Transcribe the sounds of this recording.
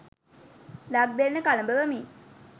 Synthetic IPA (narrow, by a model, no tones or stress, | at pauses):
laɡ̚d̪enːəkaləmbəʋəmiː